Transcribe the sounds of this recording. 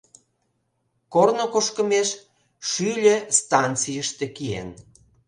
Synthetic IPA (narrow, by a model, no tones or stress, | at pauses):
kornokoʃkəmeʃ | ʃylʲĕst̪ɑnt͡sijəʃt̪ekiḛn